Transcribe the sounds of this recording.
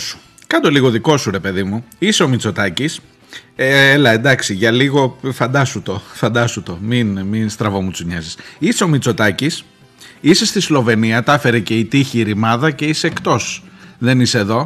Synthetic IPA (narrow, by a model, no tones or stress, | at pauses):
su̥ | kɐd̪o̞liɣo̞ðiko̞suɾe̞pe̞ðimuiseo̞mit͡so̞t̪ɐcis | eelɐend̪ɐksiʝɐliɣo̞fɐnd̪ɐsut̪o̞fɐnd̪ɐsut̪o̞minminst̪ɾɐvo̞mut͡suɲɐzisiseo̞mit͡so̞t̪ɐcis | ise̞st̪islo̞ve̞niɐt̪ɐfe̞ɾece̞it̪içiːɾimɐðɐce̞ise̞ːkt̪o̞sðe̞niseːðo̞